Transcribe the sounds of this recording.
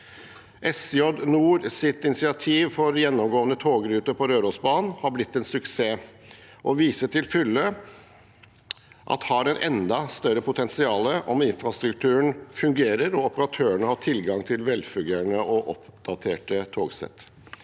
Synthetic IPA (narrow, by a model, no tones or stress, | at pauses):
ʔɛsɪɔd̪nuːɾsɪt̪ɪnɪsɪɑt̪ʰiːʋfɔɾjɛnːɔmɡoːənət̪ʰoːɡɾʉːt̪əɾpʰɔɾøːɾɔsbɑːnn̩hɑblɪt̪ːɛnsʉkseː | ʔɔʋiːsəʈʰɪlfʏlːə | ʔɑ̰t̪hɑɾɛnʔɛ̰nd̪ɑst̪œɾəpʰʊt̪ʰɛnsɪɑːləʔɔmɪnfɾɑst̪ɾʉk̚t̪ʰʉːəɳfʉŋɡeːɾəɾɔɔpəɾɑt̪ʰøːəɳəhɑʈʰɪlɡɑŋt̪ʰɪlʋɛlfœɡ̪jæɳəʔɔʔɔpd̪̥ɑt̪ʰeːʈət̪ʰoːɡsɛ̰t̪ː